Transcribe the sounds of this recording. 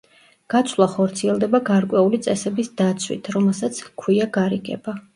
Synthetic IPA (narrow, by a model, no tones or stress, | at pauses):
ɡ̥at̪sʰwlˠaχɔɾt̪sʰiɛlˠd̪ɛbaɡaɾkʼwɛulit̪sʼɛsɛbisd̪at̪sʰwḭt̪ʰɾɔmɛlˠsat̪sʰkʰwiaɡaɾiɡɛ̰ba